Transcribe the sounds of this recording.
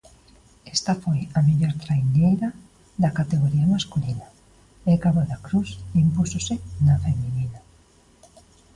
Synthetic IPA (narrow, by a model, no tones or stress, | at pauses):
est̪ɐfojɐmeʎoɾt̪ɾajnejɾɐ | ðɐkat̪eɣoɾiamaskulina | ekaβoðakɾusimpusosɪnafeminina